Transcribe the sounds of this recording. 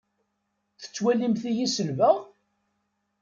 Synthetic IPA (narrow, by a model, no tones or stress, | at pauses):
θə̥t͡sːwælimθijisəlvəʁ